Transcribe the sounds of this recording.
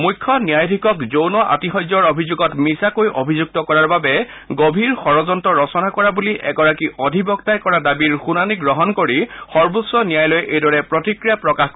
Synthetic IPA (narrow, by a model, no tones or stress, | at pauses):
mujkʰːɔnijajdʱikɔkzownɔʔa̰tixɔjzɔɹobʱizuɡɔtmisakojʔobʱizuɡ̚tɔkɔɹaɹbabɛ | ɡobʱiɹxɔɹɔzɔntɔɹɔsɔnakɔɹabuliʔɛ̰ɡɔɹakiʔɔdʱibɔk̚tajkɔɹadabiɹxunaniɡɹɔɦɔnkoɹixɔɹbusɔnijajlojʔejdɔɹɛpɹɔtikɹijapɹɔkax